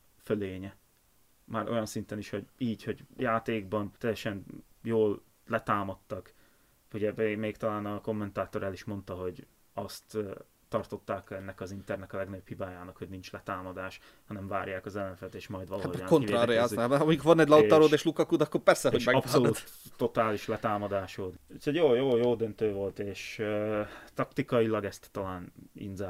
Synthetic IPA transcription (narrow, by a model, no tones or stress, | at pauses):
føleːɲɛ | maːɾʔo̞̰jɒnsint̪ɛniʃho̞ɟiːcho̞ɟjaːt̪eːɡbɒnt̪ɛjɛʃɛn | joːl | lɛt̪aːmɒt̪ːɒk | uɟɛbemeːkt̪ɒlaːnɒko̞mːɛnt̪aːt̪o̞ɾɛliʃmo̞nt̪ɒɦo̞ɟ | ɒst̪ː | ɒrt̪o̞t̪ːaːkɛnːɛkɒzint̪ɛrnɛkɒlɛɡnøbphibaːjaːnɒkho̞ɟnint͡ʃlɛt̪aːmɒd̪aːʃ | hɒnɛɱva̰ːɾjaːkɒzɛlːɛɱfɛt̪eːʃmɒjd̪ʋɒlːaːoaŋkonieɾaɾijazaːɛɒmijkoɾvɒnɛɟlɒɒɾoːd̪eːʃlukɒkud̪ɒkːorpɛrsɛɦoɟmɛɡpsoluːt̪ːo̞t̪aːliʃlɛt̪aːmɒd̪aːʃoːt̪ut̪ʰoɟjoːjoːjoːld̪ønt̪øːvo̞lt̪eːʃøt̪ɒkt̪ikɒilɒɡɛst̪ːɒlaːnḭnzɛ